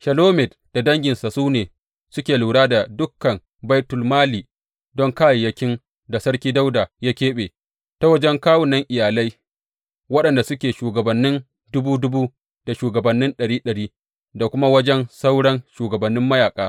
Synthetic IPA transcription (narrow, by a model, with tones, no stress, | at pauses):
ʃɐ˨loː˦mɪ˨t | d̥a˨dɐ˦ŋɡʲɪ˨nsa˨suː˦neː˨ | sʊ˦kʲeː˨luː˨ɽaː˦da˨dʊ˦kːɐ˨ŋ | ba˦jtʊ˨lmaː˦liː˨ | dɔ˦ŋkaː˦ji˨jɐ˦kʲɪ˦n | da˨sɐ˦ɽkʲiː˦da˦wda˨ja˦kʲeː˦ɓeː˨ | ta˦wɐ˦d͡ʒɛ˦ŋkaː˦wʊ˨nːɐ˦ŋʔɪ˨jaː˨la˦j | wɐ˦ɗɐ˨nda˨sʊ˦kʲeː˨ʃuː˨ɡɐ˨bɐ˨nːɪ˦n | dʊ˦buː˦dʊ˦buː˦ | d̥a˨ʃuː˨ɡɐ˨bɐ˨nːɪ˦nɗɐ˨ɽiː˦ɗɐ˨ɽiː˦ | da˨kʷʊ˦ma˦wɐ˦d͡ʒɛ˦nsa˦wɽɐ˦nʃuː˨ɡɐ˨bɐ˨nːɪ˦mːɐ˦jaː˨kʼaː˦